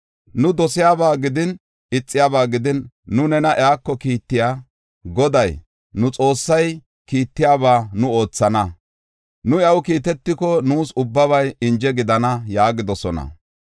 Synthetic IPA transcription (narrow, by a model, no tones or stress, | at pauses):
nʊd̪ɔsɪjaːbaːɡɪd̪ɪn | ɪt͡sʼːɪjaːbaːɡɪd̪ɪnː | ʊnɛnɐʔɛaːkːɔkiːt̪ːɪjaː | ɡɔd̪ɐj | nʊt͡sʼo̞ːsːɐj | kiːt̪ːɪjaːβaːnʊo̞ːt͡sːɐnɐ | nʊɐwkiːt̪̬ɛt̪ːɪkɔnuːsʊbːɐβɐjɪnd͡ʒɛɡɪd̪ɐnɐjaːɡɪd̪ɔsɔnɐ̰